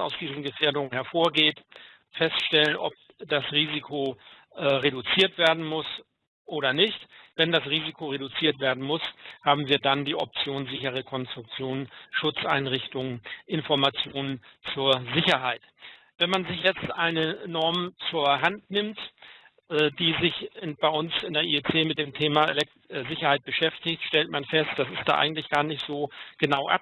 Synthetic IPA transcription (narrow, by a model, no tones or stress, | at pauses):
a̰ʊsd̥iːzn̩ɡəfeːɐdʊŋənhɛɐfoːɐɡeːt | fɛstʃtɛlənʔɔ̰p̚ | d̥asʁiːzikʰo | ʔɛʁeɾut͡siːɐtv̥eːɐdn̩mʊs | ʔoːɾɐnɪçtv̥ɛndasʁiːzikʰoʁeɾut͡siːɐtv̥eːɐdn̩mʊshaːbm̩viːɐdandiːʔɔp̚t͡sjoːnzɪçəʁ̞əkʰɔnstʁ̥ʊk̚t͡sjoːnnʃʊt͡sʔa̰ɪnʁɪçtʊŋənʔɪnfɔɐmat͡sjoːnənt͡suːɐzɪçɐɦaɪt | vɛnmanzɪçjɛt͡stʔaɪnənɔɐmt͡suːɐɦantnɪmt | ʔd̥iːzɪçb̥aɪʔʊnsɪndeɐʔiɛt͡seːmɪt̚d̥eːmtʰeːmalɛ | zɪçɐhaɪt̚b̥əʃɛftɪçtʃtɛltmanfɛstd̥asɪstd̥a̰ːʔa̰ɪŋ̩tlɪçɡ̥aːɐnɪçtz̥oːɡ̥ənaʊʔa̰p̚